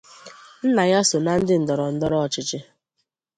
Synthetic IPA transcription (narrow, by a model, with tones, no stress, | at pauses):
n̩˦na˨ja˦so˨na˨˦n̩˦dɪ˦n̩˨dɔ˨ɾɔ˨n̩˦dɔ˦ɾɔ˦ɔ˨t͡ʃɪ˨t͡ʃɪ˦